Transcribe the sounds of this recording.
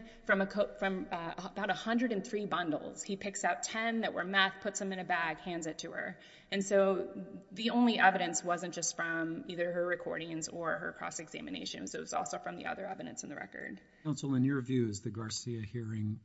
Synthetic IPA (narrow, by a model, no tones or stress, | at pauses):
fɹʌ̃məkʰoʊfɹʌ̃mbaʊɾəhʌ̃ndɹɨɾɨ̃nθɹibʌ̃ndˡl̩ˠz̥hipʰɪksaʊtʰɛ̃nðɨʔwə̰˞mɛθpʰʊtsðɨ̃mɨ̃ñɨbæɡ̥hæ̃ndzɨtʰɨə̰˞ | ɨ̃nsoʊðiõʊ̃nliʔɛvɨɾɨ̃nswʌzɨ̃nd̥ʒ̥ʌstfɹʌ̃miðə˞ə˞ɹɨkʰɔ̰ɹɾɪ̃ŋzə˞ə̰˞kʰɹ̥ɔ̰sɨɡzæ̰mɨnḛɪʃɨ̃nzoʊwʌzɔ̰lˠsoʊfɹʌ̃mðḭʔʌ̰ðə˞ɛvɨɾɨ̰̃nsn̩ðɨɹɛ̰kə̰˞d̥ | ãʊ̃nsl̩ˠɨ̃njə˞vjʉɪzðɨɡɑɹsiɨhiɹɪ̃ŋ